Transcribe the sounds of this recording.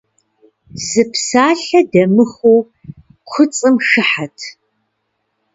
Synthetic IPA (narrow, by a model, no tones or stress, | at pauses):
z̥ɨpsaːɬɐdɐmɨxuː | qʷʰʊt͡sʼɨmʂɨħatʰ